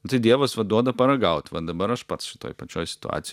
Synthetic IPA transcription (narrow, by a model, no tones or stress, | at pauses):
t̪ɐɪd̪ʲiɛʋosʋɐd̪uɔd̪ɐpɐɾɐɡɐʊt̪ʲʋɐ̰d̪ɐbɐɾɐʃpɐt̪sʃʲɪ̥t̪o̰ːjpɐt͡ʃʲoːjsʲɪt̪ʊ̰a̰ːt̪sʲɪ